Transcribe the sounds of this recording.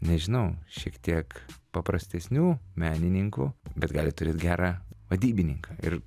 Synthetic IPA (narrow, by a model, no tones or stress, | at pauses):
nʲɛʒʲɪnɐʊʃʲiɛkt̪ʲiɛkpɐpɾɐsʲt̪ʲɛsʲnʲuːmʲæːnʲɪnʲɪŋkʊbʲɛt̪ɡɑːlʲɪt̪ʊɾʲeːt̪ɡʲæːɾɑːʋɐd̪ʲiːbʲɪnʲɪŋkɑːɪ̰r